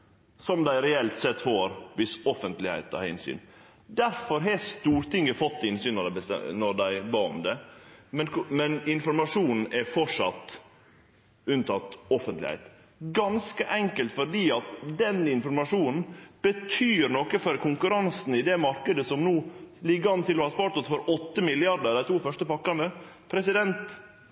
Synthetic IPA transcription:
sɔmd̪æɪɾɛɛlt̪sɛt̪ːfɔːɾʋɪsɔfənt̪lɪhæ̰ɪt̪ɑ̰ɾɪ̰nsy̰ːn | d̪æɾfɔɾɦest̪uːɾt̪ɪŋːəfɔt̪ːɪnsyːnːɔɾæbəst̪ɛ̰nɔɾd̪æɪbɑːɔ̰md̪ɛmɛnkmɛnɪnfɔɾmɑʂuːnn̩ʔɛfɔʂɑt̪ː | ʉnt̪ʰɑt̪ːɔfənt̪lɪ̰hɛ̰ɪt̪ | ɡɑnskəʔɛŋkəlt̪fɔɾɖiːɑt̪d̪ɛnɪnfɔɾmɑʂuːnn̩b̥ət̪ʰyːɾnɔkəfɔɾkʰʊŋkʉɾɑnsn̩ɪd̪ɛmɑɾkəd̪əsɔmnuːlɪɡːəɑnt̪ɪlɔhɑspɑːɾt̪ɔsfɔɾɔt̪ːəmɪlɪɑɖ̪əɾd̪æɪt̪ʰuːfœʂʈəpɑkːɑnəpʰɾɛsɪd̪ɛnt̪

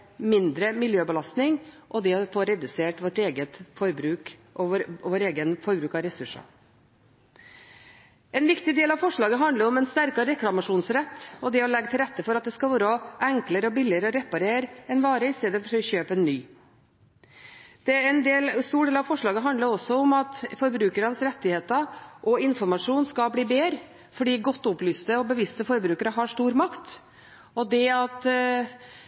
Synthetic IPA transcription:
mɪnd̪ɾəmɪljøːbəlɑst̪nɪŋ | ʔɔd̪ɛɔfoːɾɛd̪ʉseːʈʋɔʈeːɡət̪fɔɾbɾʉːk | ʋoːɾeːɡənfɔɾbɾʉːkɑɾɛsʉʂɑ̰ | ɛnʋɪkt̪ɪd̪eːlɑʋfɔʂɭɑːɡəɦɑnd̪ləɾɔmɛnst̪æɾkɑɾɛklɑmɑʂuːnsɾɛt̪ːɔd̪ɛɔlɛɡt̪ʰɪlɾɛt̪ːəfɔɾɑt̪̚d̪ɛskɑlʋoːɾɔæŋkləɾəɔbɪlɪəɾəɔɾɛpɑɾeːɾɛnʋɑːɾəɪst̪eːd̪əfɔʂɕøːpəɛnːyː | d̪̥ɛɛnd̪eːlst̪uːɖeːlɾɑʋfɔʂɭɑːɡəɦɑnd̪ləɾɔsːɔɔmɑt̪fɔɾbɾʉːkəɾənəsɾɛt̪ːɪheːt̪əʔɔɪnfɔɾmɑʂuːnskɑlbliːbeːɾə | fɔɖiːɡɔt̪ːʊplyːst̪əɔbəʋɪst̪əfɔɾbɾʉːkəɾəɦɑʂʈ̪uːɾmɑkt̪ | ɔd̪ɛɑt̪

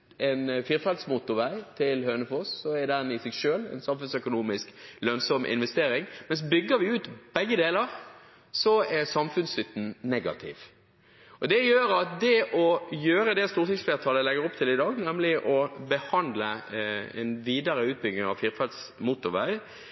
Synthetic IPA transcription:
ɛnfiːɾfɑld̪smuːt̪ʊʁʋæɪt̪ʰɪlhøːnəfosːɔɛɾd̪ænɪsɛɡʃøːlɛ̰nsɑmfʉnsœkʊnuːmɪsklœnsɔmʔɪ̰nʋɛst̪eːɾɪŋmɛns̬bʏɡːəɾʋɪʉːt̪b̥ɛɡːəd̪eːləʁ | sɔɛʁsɑmfʉnsʏt̪n̩nɛɡɑ̰t̪ʰɪ̰ʋ | ɔd̪ɛjøːɾɑt̪̚d̪ɛʔɔjøːɾəd̪ɛst̪uːʁt̪ɪsfleːʁt̪ʰɑːləlɛɡːəɾɔpt̪ʰɪlɪd̪ɑːɡnɛmlɪʔɔbəhɑnd̪ləɛ̰nʋiːd̪ɑɾəʉːt̪̚bʏɡnɪŋɑ̰ʋfiːɾfɑld̪smuːt̪ʊʁʋæ̰ɪ

